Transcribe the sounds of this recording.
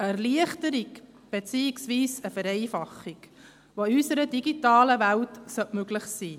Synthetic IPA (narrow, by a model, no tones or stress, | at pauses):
əɛʁliəχtəɾik | b̥et͡siːiksʋiːsəfəɾɛɪfɑχːik | ʋoysəɾədiɡitɑːləʋæltsœtmøɡlɪχsiː